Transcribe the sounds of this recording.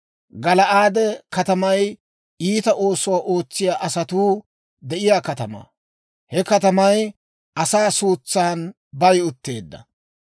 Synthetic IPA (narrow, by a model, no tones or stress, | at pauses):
ɡɐlɐʔaːd̪ɛkɐt̪ɐmɐj | iːt̪ɐʔo̞ːsɔwaːʔo̞ːt͡sːɪjaːʔɐsɐt̪uː | d̪ɛʔɪjaːkɐt̪ɐma̰ | hɛkɐt̪ɐmɐj | ʔɐsaːsuːt͡sːaːn | bɐjʊt̪ːe̞ːd̪ːɐ̰